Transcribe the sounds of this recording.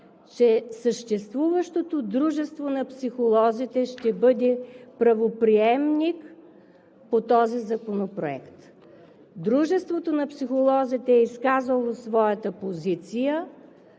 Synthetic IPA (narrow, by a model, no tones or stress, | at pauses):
t͡ʃɛsəʃt̪ɛst̪vuvəʃt̪ot̪od̪ɾuʒɛst̪vonɐpsixolˠɔzit̪ɛʃt̪ɛbɤd̪ɛpɾɐvopɾiɛmnik | pot̪ɔzizɐkonopɾoɛ̰kt̪ | d̪ɾuʒɛst̪vot̪onɐpsixolˠɔzit̪ɛːiskazəlˠosvɔjət̪əpozit̪sijə